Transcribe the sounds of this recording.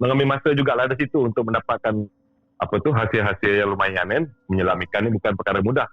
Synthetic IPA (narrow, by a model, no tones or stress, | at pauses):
məŋamimasəd͡ʒuɡalahdis̬it̪uːnt̪ʊk̚məndapakan | ʔa̰pat̪ʊɦasiɦasiajaŋlumajanɛnməɲəlamikanːibukanpərkaɾamudah